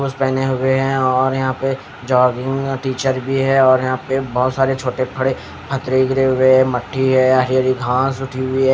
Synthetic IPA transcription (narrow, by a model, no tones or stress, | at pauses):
uːspɛːneɦʊeɦɛ̃ɔːɾjɐɦãpe | d͡ʒɔːɡɪ̃ŋɡʈiːt͡ʃəɾbʱiɦɛɔːɾjɐɦãpebɔːt̪saːɾet͡ʃʰoːʈepʰɐɽe | pʰɐt̪ɾeɡɾeɦʊweɦɛmɐʈʰːiɦɛjaɾiəɾiɡʱãːsʊʈʰiɦʊiɦɛː